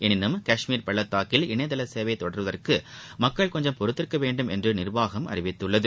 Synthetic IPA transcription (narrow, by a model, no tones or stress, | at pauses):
ɛnɪnːɯmkɐʂmiːɾpɐɭːɐt̪ːaːkɪlɪɳɐɪðɐlɐseːʋɐɪt̪ːɔɽɐɾʋɐðɐrkɯmɐkːɐɭkɔɲd͡ʒɐmpɔɾɯt̪ːɪɾkːɐʋeːɳɖɯmɛndrɯnɪrʋaːɣɐmɐ̰rɪʋɪt̪ːɯɭːɐðɯ